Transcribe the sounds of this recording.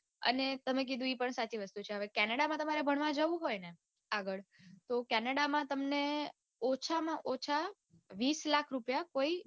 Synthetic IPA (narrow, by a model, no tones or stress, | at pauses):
ə̰net̪əmek̬id̪ũipəɳsat͡ʃiʋəst̪ut͡ʃʰeɦəʋekɛnəɽamãt̪əmaɾebʱəɽʋãd͡ʒəʋũɦojne | aɡəɭt̪okɛnəɽamãt̪əmne | ɔt͡ʃʰamãʔɔt͡ʃʰa | ʋislakʰɾupjakoi